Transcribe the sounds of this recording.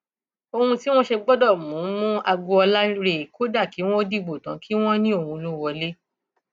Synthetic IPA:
o˧hũ˧ti˦w̃ɔ̃˦ʃe˧ɡ͡bɔ˦dɔ˦˨mũ˨˦mũ˦a˧ɡo˧ɔ˧la˦ɾe˦˨ko˦da˦˨ki˨˦w̃ɔ̃˦di˦˨ɡ͡bo˨tã̰˨˦kʰi˦w̃ɔ̃˦nĩ˦o˦˨hũ˧lo˦wɔ˧le˦

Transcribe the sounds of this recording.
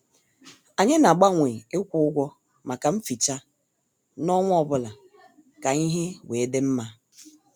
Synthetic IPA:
a˨ɲe˦na˨ɡ͡ba˦ŋʷe˨e˦kʷʊ˦ʊ˦ɡʷɔ˦ | ma˨ka˨m̩˦fi˨t͡ʃa˦ | nɔ˦ŋʷʊ˦ɔ˨bʊ˦la˨ | ka˨ɲi˦ɦe˦weː˨e˦de˦m̩˦ma˦

